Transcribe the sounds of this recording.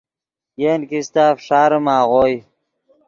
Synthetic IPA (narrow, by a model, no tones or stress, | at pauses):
jeːnkist̪aːfʂaːɾəmaːʁoːj